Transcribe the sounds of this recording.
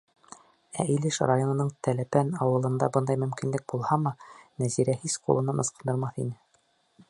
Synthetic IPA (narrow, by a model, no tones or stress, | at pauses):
æ̰ilɘʃrajonŏnɤɴt̪ælæpænɑwɤ̆lˠɤ̆nd̪ɑbɤnd̪ɑjmɵ̆mkinlɘk̚bulˠhɑmɑnæziɾæhisqṵlˠɤ̆nɤnʔɤ̆sqɤ̆nd̪ɤɾmɑθinɘ